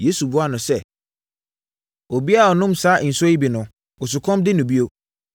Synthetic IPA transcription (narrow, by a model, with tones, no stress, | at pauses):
jeː˦su˨bʊ˦a˦nʊ̃˨sɛ˦˨ | o˨bi˦a˦˨ɔ˨nʊ̃˦msaː˦ʔn̩˨sɔ˦i˦bi˨nʊ̃˨ | ɔ˨sʊ˨kʰɔ̃˦mdɪ˦nʊ̃˨bi˦o˦